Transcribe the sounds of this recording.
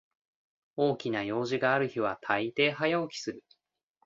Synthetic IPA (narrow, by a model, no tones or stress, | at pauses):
o̞ːkʲinajo̞ːʑiɡaːɾɯ̟çiβ̞at̪ʰait̪e̞ːɦajaokʲi̥sɨɾɯ̟